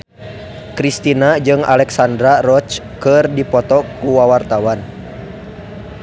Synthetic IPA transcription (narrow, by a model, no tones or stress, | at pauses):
kɾist̪inad͡ʒɨŋa̰lɛksandɾarɔt͡ʃkərdipɔt̪ɔkuwawart̪awan